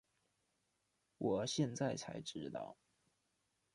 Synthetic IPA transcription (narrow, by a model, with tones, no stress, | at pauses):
wʔɔ˨˩ɕjɛ˥˧nt͡sa˥˩ɪt͡sʰa̰˧˥ɪʈ͡ʂɻ̩˥˧t̪ɑ̰˥˩ʊ